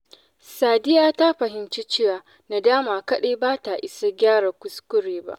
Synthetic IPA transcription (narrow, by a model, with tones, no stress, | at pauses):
saː˨dɪ˦jaː˨ta˦ɸɐ˨ɦɪ˨mt͡ʃi˦t͡ʃeː˦waː˨ | na˨daː˦maː˨kɐ˦ɗeː˦baː˦ta˨ʔɪ˦sa˦ɡʲaː˦ɽaː˨kʷʊ˦skʷʊ˦ɽeː˨ba̰˦ʔ